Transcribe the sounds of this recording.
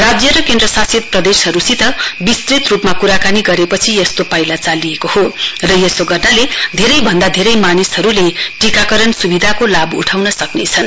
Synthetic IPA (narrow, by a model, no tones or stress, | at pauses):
rad͡zjʌɾʌkend̪rʌsasit̪̚prʌd̪esɦʌɾusit̪ʌbist̪rit̪rupmakuɾakaniɡʌɾepʌt͡sʰiʌst̪opajlat͡saliekohorʌjʌsoɡʱʌraled̪ʱeɾʌjbʱʌnd̪ad̪ʱeɾʌjmanisɦʌɾuleʈikakʌɾʌnsubid̪ʱakolabṵʈʰawnʌsʌknet͡sʰʌn